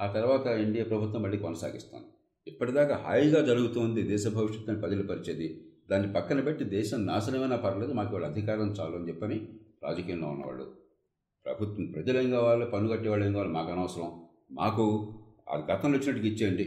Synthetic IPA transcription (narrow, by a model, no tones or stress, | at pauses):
aːt̪ɐɾʋaːt̪ɐiɳɖijapɾɐbʱut̪ʋɐmːɐɭːiːkɔnɐsa̰ːɡist̪a̰ːnd̪i | ipːɐʈid̪aːkaɦa̰ːjɡaːd͡ʒɐɾuɡut̪oːnd̪id̪ɛːʃɐbʱɐʋiʂɐt̪ːɐnːipɐd̪ɐlupɐɾit͡ʃeːd̪id̪aːnːipɐkːɐnɐpeʈːid̪ɛːʃɐmnaːsɐneːmɐnaːpɐɾɐled̪umaːkiʋaːɭɐd̪ʱikaːɾɐmt͡ʃaːluɐnit͡ʃɛpːɐniɾa̰ːd͡ʒɐkiːjɐnloːunːɐ̰ʋa̰ːɭːṵ | pɾɐ̰bʱut̪ʋɐmpɾɐd͡ʒɐleŋɡɐːʋaːɭupɐnːuɡɐʈːɛʋaːɭeːŋɡaːʋaːlimaːkɐnɐʋɐsɐɾɐm | ma̰ːku | ɐ̰d̪iɡɐt̪ɐnlot͡ʃːinɐʈːukit͡ʃːeːɳɖi